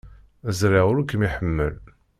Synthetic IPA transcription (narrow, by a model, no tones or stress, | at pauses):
əzɾiʁʊɾukəmiħəmːə̰l